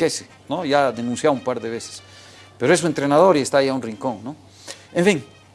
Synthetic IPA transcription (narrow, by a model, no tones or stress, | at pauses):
ese | noʝaðe̞nũnsjaumpaɾðe̞βe̞se̥s | peɾoes̬uent̪ɾe̞nað̞o̞ɾiest̪ajaunriŋko̞ŋno | eɱfiŋ